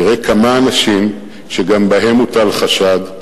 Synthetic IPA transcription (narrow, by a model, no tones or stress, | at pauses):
iʁekʰamaːnaʃim | ʃeɡambaɦe̞mut̪alχaʃad̪